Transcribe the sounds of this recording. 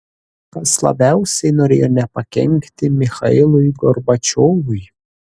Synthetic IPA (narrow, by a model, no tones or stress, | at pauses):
ɐslˠɐ̰bʲæʊsʲɛjnɔɾʲeːjɔnʲɛpɐkʲɛ̰ŋʲkt̪ʲɪmʲɪxɐɪlˠʊjɡɔɾbɐt͡ʃʲoːʋʊj